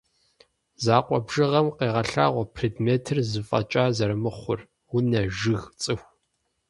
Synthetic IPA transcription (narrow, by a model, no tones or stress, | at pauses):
zaːqʷʼɔbʒ̥ɨʁɐmqeːʁɐɬa̰ːʁʷɔpʰridmeːtʰɨrzɨfʼɐ̰t͡ʃʼaːzɐɾɨmɨχʷʊr | wʊnɐʒɨɣt͡sʼɨxʷ